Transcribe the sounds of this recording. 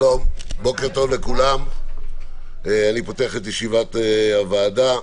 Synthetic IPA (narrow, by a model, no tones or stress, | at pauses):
lombo̞keʁt̪onlekulam | eanipo̞teaχet̪jeʃivat̪avaːda